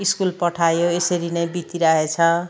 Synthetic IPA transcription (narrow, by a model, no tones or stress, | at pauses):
iskulpʌʈʰajoesʌɾinʌjbit̪iɾʌɦet͡sʰʌ